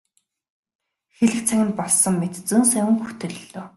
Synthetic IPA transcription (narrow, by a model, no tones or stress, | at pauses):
xeɮɘ̆k̚t͡sʰæŋʲɪ̆nt̪̚pɔɮsɞ̆ŋmet̪t͡sɵːnsæwɘ̆ŋxut̪ɵ̆ɮɮoː